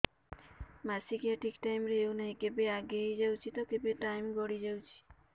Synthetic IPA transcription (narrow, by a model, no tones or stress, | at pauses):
masikiaʈʰikʈajmɾeewnaɦĩkebeaɡeɦejd͡ʒawt͡ʃʰit̪ɔkebeʈajmɡɔɽid͡ʒawt͡ʃʰi̥